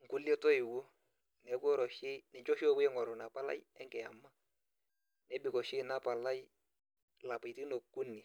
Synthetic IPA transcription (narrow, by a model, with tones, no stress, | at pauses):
ŋ̩˨ku˦lje˦tɔ˦ɪ˨wu˦ | nɛ˨˦kɔ˦ɾɔ˨ʃɪ˦nɛ˨ɲt͡ʃɔ˦ʃɔ˦wɛ˦ŋɔ˨ɾʊ˨na˨pa˦la̰˦jɛ˦ŋkɛ˨ja̰˨mːa˦ | nɛ˨˦bɪ˨kɔ˨ʃɪ˦na˦pa˨la˦j | la˨pa˨ti˦no˨kːu˦nːɪ˨